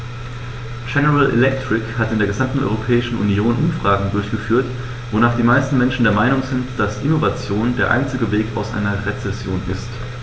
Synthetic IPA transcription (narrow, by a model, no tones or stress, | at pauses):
d͡ʒɛnəʁalʔɛ̰lɛk̚tʁ̥ɪkhatɪndeːɐɡəzamtn̩ʔɔ̰ʏʁopʰɛːɪʃn̩ʔṵnjoːnʔʊmfʁ̥aːɡŋ̩dʊɐçɡ̥əfyːɐt | v̥onaːχd̥iːmaɪstn̩mɛnʃn̩deːɐmaɪnʊŋzɪntd̥asʔɪnovat͡sjoːndeːɐʔa̰ɪnt͡sɪɡəveːka̰ʊsʔa̰ɪnɐʁet͡sɛsjoːnʔɪst